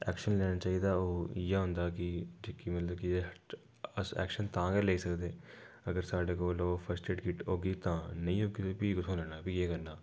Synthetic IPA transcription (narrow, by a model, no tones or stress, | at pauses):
ɛ̰ːkʃənlɛːɽ̃aːt͡ʃaːiːd̪aːoːjeːɦʊ̃nd̪aːkɪd͡ʒekiːmət̪ləb̚kɪ | əsɛ̰ːkʃənt̪ãːɡɛːleːisəkd̪eː | əɡəɾsaːɖeːkoːloːpʰəɾsʈeːʈɡɪʈɦoːɡiːt̪ãːnəĩːɦoːɡipiːɡʊsõlɛːɽaːbiːeːkəɾnaː